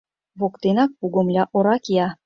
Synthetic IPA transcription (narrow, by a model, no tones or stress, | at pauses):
βokt̪enɑk̚puɡŏmlʲɑʔoɾɑkjɑ